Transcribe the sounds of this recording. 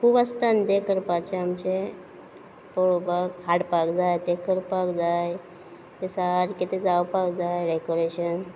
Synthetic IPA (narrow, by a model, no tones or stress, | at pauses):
kʰuːbəst̪and̪ekəɾpat͡ɕeamt͡ɕe | poobakɦaɽpakd͡zajt̪ekəɾpakd͡zaj | t̪esaɾkit̪ed͡zawpakd͡zajɾekoɾeɕən